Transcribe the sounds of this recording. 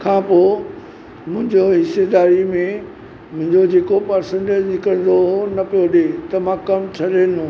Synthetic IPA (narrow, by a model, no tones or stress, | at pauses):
kʰãːpoː | mʊ̃ɦɪ̃ɲd͡ʑoɦɪsed̪aːɾimẽ | mʊ̃ɦɪ̃ɲd͡ʑod͡ʑeːkopɐɾsẽɳʈed͡ʑkɐɾɪ̃zoonɐpijoɗet̪ɐmãkɐmt͡ɕʰɐɗeːnũ